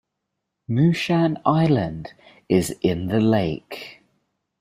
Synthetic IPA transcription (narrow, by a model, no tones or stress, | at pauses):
mʉːʃãnaɪlə̃nd | ɪzɪ̃nðəleɪk